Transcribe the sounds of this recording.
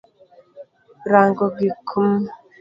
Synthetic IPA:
ɾaːŋɡoɡikʰum

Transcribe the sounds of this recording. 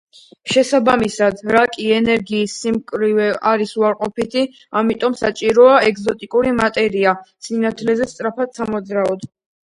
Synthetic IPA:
ʃɛsabamisad̪ɾakʼiɛnɛɾɡiːsːimkʼɾivɛʔaɾisuaɾqʼɔpit̪ʰi | amit̪ʼɔmsat͡ʃʼiɾɔaɛɡzɔt̪ʼikʼuɾimat̪ʼɛɾiasinat̪ʰlɛzɛst̪sʼɾapʰad̪samɔd̪zɾaɔd̪

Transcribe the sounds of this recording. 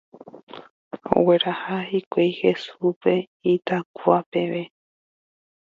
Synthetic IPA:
o̰we̞ɾahahikʷejhesupe̞ | it̪akuape̞ʋe̞

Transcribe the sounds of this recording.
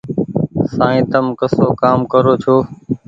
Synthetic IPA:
sãːĩːt̪əmkəsoːkaːmkəɾoːt͡ʃʰoː

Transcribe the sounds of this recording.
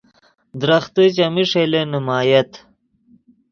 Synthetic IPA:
d̪ɾɐxt̪it͡ɕɐmiʂelenimaːjɐt̪

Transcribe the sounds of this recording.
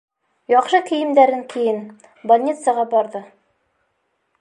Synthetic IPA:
jɑqʃɤkɘ̆jɘ̆md̪æɾɘŋkʰɘ̆jɘn | bolʲnʲit̪səʁɑbɑɾðɤ

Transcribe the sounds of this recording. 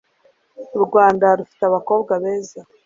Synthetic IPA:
ɾɡwaːndaɾufi̥teaβako̞ːbɡaβe̞ːza

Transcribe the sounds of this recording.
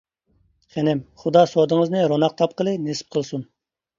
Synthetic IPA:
χɛnɛmχud̪ɑsod̪ɨŋəznɨɾonɑq̚t̪ʰɑpqəlˠɨnesɪ̥p̚qʰəlˠsun

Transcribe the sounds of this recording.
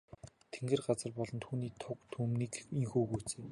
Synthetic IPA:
t̪ʰeŋɡĕrɢat͡sə̆rpɔɮɞ̆nt̪ʰuːniːt̪ʰʊkt̪ʰuːmniːkiŋxuːɣujʰt͡seː

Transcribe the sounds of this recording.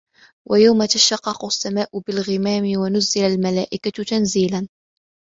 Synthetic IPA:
wʔajawmat̪aʃɑqːɑqʊsːamaːʔʊbɪlɣɪmaːmɪwanʊzːɪlalmala̰ːʔɪkat̪anziːlan

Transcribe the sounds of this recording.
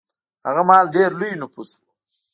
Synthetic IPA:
ha̰ɣamɑːlɖeɾlujnupʰusu̥

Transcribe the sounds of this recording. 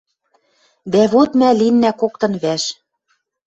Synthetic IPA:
d̪æβot̪mælinːækokt̪ɤ̆nβæʃ

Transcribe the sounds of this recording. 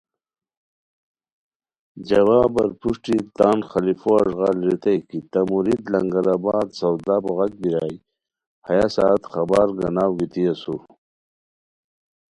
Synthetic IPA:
d͡ʑɐwaːbɐɾpuʂʈit̪aːnxɐlifoaʐɣaːlɾit̪ɐjkit̪ɐmuɾid̪lɐŋɡɐɾabaːd̪sɐwd̪aːboɣɐk̚biɾaːj | hɐjasaːt̪xɐbaɾɡɐnaːwɡit̪iɐsu

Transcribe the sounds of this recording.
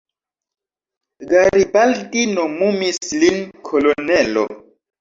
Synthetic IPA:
ɡaɾibaldinomumislinkʰolonɛlo̰

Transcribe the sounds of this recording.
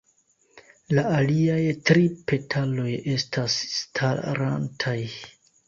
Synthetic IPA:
laaliajtɾipʰe̞tʰalo̞je̞stʰasstʰaɾa̰ntʰaj

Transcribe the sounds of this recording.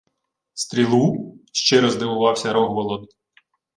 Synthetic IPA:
st̪ɾʲilˠuʃt͡ʃɛɾɔzd̪ɪʋʊʋɑwsʲɐɾɔɦʋɔlˠɔn

